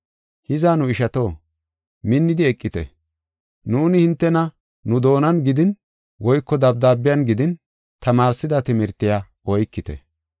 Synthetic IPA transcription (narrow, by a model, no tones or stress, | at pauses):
hɪzaːnʊɪʃɐt̪o̞ː | mɪnːɪd̪ɪɛkʼːɪt̪ɛ̰ | nuːnɪhɪnt̪ːɛnɐ | nʊd̪o̞ːnɐnɡɪd̪ɪn | wɔjkːɔd̪ɐb̚d̪aːbːɪjanɡɪd̪ɪn | t̪ɐmaːɾsːɪd̪ɐt̪ɪmɪɾt̪ːɪjaː | ɔjkːɪt̪ɛ̰